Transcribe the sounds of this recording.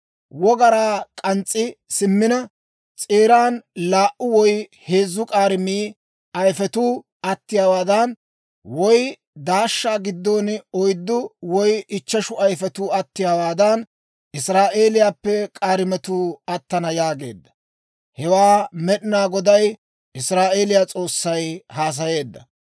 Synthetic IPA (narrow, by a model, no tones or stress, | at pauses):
wɔɡɐɾaːkʼɐnt͡sʼːɪsɪmːɪnɐ | t͡sʼeːɾaːnlaːʔʊwɔjhe̞ːzːʊkʼaːɾɪmiː | ɐjfɛt̪uː | ɐt̪ːɪjaːwaːd̪ɐn | wɔj | d̪aːʃːaːɡɪd̪ːɔːnɔjd̪ːʊwɔjɪt͡ʃːɐʃʊɐjfɛt̪uːɐt̪ːɪjaːwaːd̪ɐn | ɪsɾaːʔe̞ːlɪjaːpːɛkʼaːɾɪmɛt̪uːɐt̪ːɐnɐjaːɡe̞̰ːd̪ːɐ̥ | hɛwaːmɛɗɪnaːɡɔd̪ɐj | ʔɪsɾaːʔe̞ːlɪjaːt͡sʼo̞ːsːɐjhaːs̬ɐje̞ːd̪ːɐ̰